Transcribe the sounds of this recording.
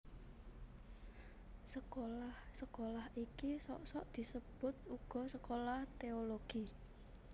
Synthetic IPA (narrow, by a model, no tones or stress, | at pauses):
səkolahsəkolahikisɔ̰ʔsɔʔd̪̥i̤səb̥ʊt̪̚uɡ̥ɔ̤səkolaht̪eoloɡ̥i